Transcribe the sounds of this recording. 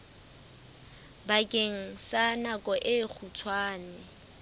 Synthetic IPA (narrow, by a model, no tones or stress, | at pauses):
bakʼeŋ̩sanakʼɔʔɪk͡xʰut͡sʰwaːnɪ